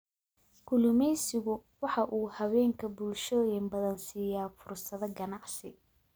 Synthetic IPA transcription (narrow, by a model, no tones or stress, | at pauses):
kʰʊlʊmɛjsɪɣʊwɑħɑʔuːhɐβɛːŋkʰɐbulʃɔːjɪmbɐðɐnsiːjaːfʊrsɐðɐɡɐnɑʕsɪ